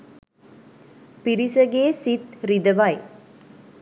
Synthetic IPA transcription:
piɾisəɡeːsit̪ɾid̪əʋɐj

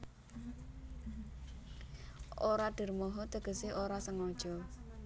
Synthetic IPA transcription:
ʔoɾaɖ̥ə̤rmɔɦɔt̪əɡ̥ə̤seoɾasəŋɔd̥ʒ̥ɔ

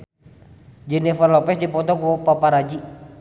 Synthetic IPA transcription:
d͡ʒinɛfərlɔpɛsdipɔt̪ɔkupapaɾad͡ʒi

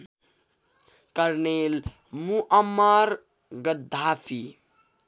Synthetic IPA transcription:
kəɾnel | muʔəmːəɾ | ɡəd̪ʱːafʰi

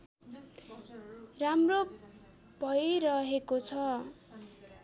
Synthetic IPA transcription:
ramro | bʱʌjɾʌɦekot͡sʰʌ

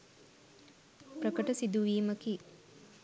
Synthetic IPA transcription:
pɾɐkɐʈɐsid̪uʋiːmɐki

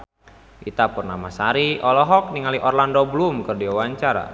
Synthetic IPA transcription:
ʔit̪apurnamasaɾiɔlɔɦɔk̚niŋaliʔɔrlandoblumkərdiawaɲt͡ʃaɾa̰

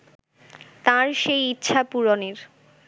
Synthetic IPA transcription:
t̪ãɾʃejitːɕʰapuɾoniɾ

